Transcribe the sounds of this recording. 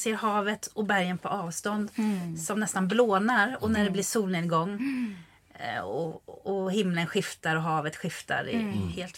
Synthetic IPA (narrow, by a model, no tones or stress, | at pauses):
seːɾɦɑːvət̪ɔbæɾjənpʰɔɑːvst̪ɔnd̪sɔmnɛst̪anbloːnaɾɔnæɖɛblɪʂuːlnɪnɡɔŋː | ɔ̰ɔhɪmːlənɧɪft̪aɾɔɦɑːvət̪ɧɪft̪a̰ɾɪ̰heːlt̪